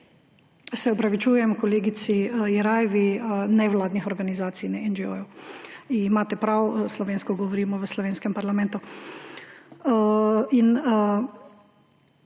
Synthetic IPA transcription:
sɛɔpɾaʋit͡ʃuːjɛmkɔleːɡit̪siiɾajʋinɛʋlaːd̪nixɔɾɡanizaːt̪sijnɛɛnd͡ʒo̰juiimaːt̪ɛpɾawslɔʋeːnskɔɡɔʋɔɾiːmɔʋəslɔʋeːnskɛmpaɾlamɛ̃nt̪u | in

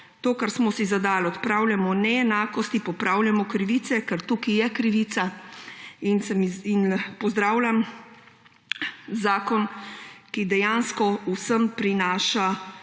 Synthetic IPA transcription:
t̪oːkaɾsmɔsizad̪aːlɔt̪pɾaːwljamɔnɛɛnaːkɔst̪ipɔpɾaːwljamɔkɾiʋiːt̪sɛkɛɾt̪ukijɛkɾiʋiːt̪sa | insəminpɔzd̪ɾaːwlʲam | zaːkɔnkid̪ɛjaːnskɔusəmpɾinaːʃa

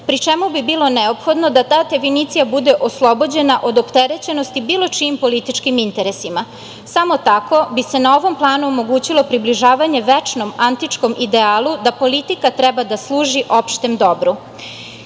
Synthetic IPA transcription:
pɾit͡ʃe̞mubibiːlˠo̞neopxo̞d̪no̞d̪at̪aːd̪e̞finiːt̪sijabud̪e̞ʔo̞slˠo̞bo̞d͡ʑe̞naʔo̞d̪opt̪e̞ɾe̞t͡ɕe̞nost̪ibiːlˠo̞t͡ʃiːmpo̞lit̪it͡ʃkimint̪e̞ɾe̞sima | samo̞t̪ako̞bise̞nao̞ʋo̞mplˠaːnuomo̞ɡuːt͡ɕilˠo̞pɾibliʒaːʋaɲe̞ʋet͡ʃno̞mant̪it͡ʃko̞mʔid̪eaːlud̪apo̞lit̪ikat̪ɾebad̪aslˠuːʒiʔo̞pʃt̪emd̪o̞bɾu

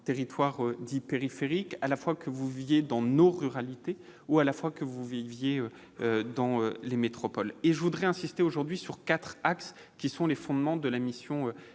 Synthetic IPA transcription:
t̪eʁit̪waʁød̪ipeʁifeʁikalafwakʰəvuvivjed̪ɑ̃noʁyʁalit̪e | ualafwakəvuvivjeø | ød̪ɑ̃ølemet̪χɔpɔleʒəvud̪ʁɛɛ̃sist̪eoʒuʁd̪ɥisyʁkat̪χaks | kʲisɔ̃lefɔ̃d̪mɑ̃d̪əlamisjɔ̃ø

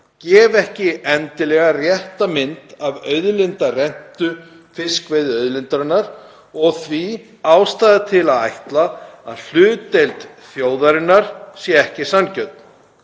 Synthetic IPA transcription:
cɛːvɛhcɪɛnt̪ɪlɛɣarjɛht̪amɪnt̪avœɥðlɪnt̪arɛn̥t̪ʏ | fɪskvejðʏœðlɪnt̪aɾɪnːaɾ | ɔɣθvi | aːwst̪aːðɪt̪ʰɪlaðajht̪laa̰ðl̥ʏːt̪ejlt̪ | θjoːwðaɾɪnːaɾ̥sjɛɛhcɪsancœt̪̚n

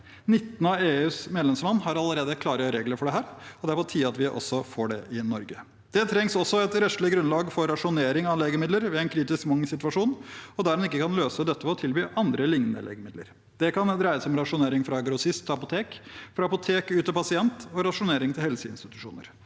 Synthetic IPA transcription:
nɪt̪ːnɑeːʉːsmeːd̪ɛmslɑnːɦɑɾɑləɾeːd̪əkʰlɑːɾəəɾeːɡləɾfɔɖɛɦæːɾɔd̪æɾpɔt̪ʰiːɑt̪ʋɪʔɔ̰sːɔfoːɖɛɪnɔɾɡə | d̪̥ɛt̪ʰɾɛŋsɔsːɔɛt̪ɾɛʃlɪɡɾʉnlɑːɡfɔɾɑʂʊneːɾɪŋɑleːɡəmɪd̪ləɾʋɪæɪnkʰɾiːt̪ɪskmɑŋːsɪt̪ʉʋɑʂuːnɔd̪æɾhɑnɪkːəkʰɑnløːsəd̪ɛt̪ːəfɔt̪ʰɪlbyːʔɑnd̪ɾəlɪŋnə̰lʔḛːɡəmɪd̪lə̰ɾ | d̪̥ɛkʰɑnd̪ɾæɪəsɔmɾɑʂʊneːɾɪŋfɾɑɡɾʊsɪst̪ʰːɑpʊt̪ʰeːkfɾɑɑpʊt̪ʰeːkʉːt̪əpʰɑsɪɛnt̪ɔɾɑʂʊneːɾɪŋt̪ʰɪlhɛlsəɪnst̪ɪt̪ʉʂṵːnə̰ɾ

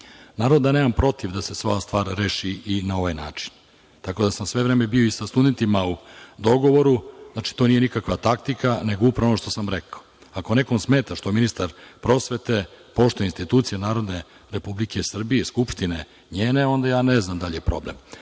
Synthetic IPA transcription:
naːɾo̞d̪ane̞ːmampɾo̞t̪iʋd̪ase̞sʋast̪ʋaːɾɾeːʃiinao̞ʋajna̰ːt͡ʃi̥n | t̪ako̞d̪asamsʋe̞vɾemebio̞isast̪ud̪e̞nt̪imaud̪o̞ɡo̞ʋo̞ɾuznaːt͡ʃi̥t̪o̞nije̞nikakʋat̪akt̪ikaneɡoupɾaonoʃt̪o̞samɾekaoako̞ne̞ko̞msmeːt̪aʃt̪ominist̪aɾpɾo̞sʋe̞t̪e̞po̞ʃt̪oeinst̪it̪uːt̪sijenaːɾo̞d̪ne | ɾepublike̞sr̩bijeskupʂt̪ine | ɲeːne̞o̞nd̪ajaːneznamd̪aʎijepɾo̞̰blḛm

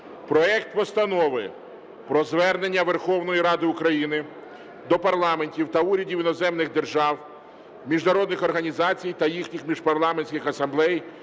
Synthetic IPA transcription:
pɾɔɛkt̪pɔst̪ɐnɔʋɪ | pɾɔzʋɛrne̞nʲːɐʋerxɔwnɔjiɾɑd̪ɪʊkɾɐjinɪ | d̪ɔpɐrlˠɑme̞nʲtʲiwt̪ɐuɾʲɐdʲiwinɔzɛmnɪɣd̪e̞rʒɑw | mʲiʒnɐɾɔd̪nɪxɔrɦɐnʲizɑt͡sʲijt̪ɐjixnʲixmʲiʒpɐrlˠɑmenʲsʲkʲɪxɐsɐmblˠɛj

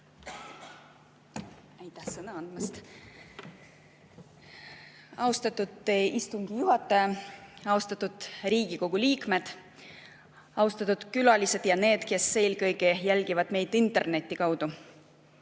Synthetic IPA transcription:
æjt̪ˑːɑhsɤnɑɑnd̪̥mɑst̪ | ɑwst̪ɑt̪ːˑud̪eist̪uŋɡ̥ijuɦɑt̪ːˑɑjɑɑuwst̪ɑt̪ːˑud̪̥riːɡ̥iko̞ɡ̥uliːkme̞d̪̥ | ɑwst̪ɑt̪ːud̪̥kylɑlise̞d̪̥jɑne̞ːd̪̥ke̞sːe̞ːlkɤjɡejælʲɡ̥ivɑd̪̥me̞jd̪̥int̪ˑe̞rne̞t̪ʲˑːikɑwd̪̥u

